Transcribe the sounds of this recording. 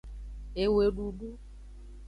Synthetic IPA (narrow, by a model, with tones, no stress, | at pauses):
e˨we˨ɖu˨ɖu˦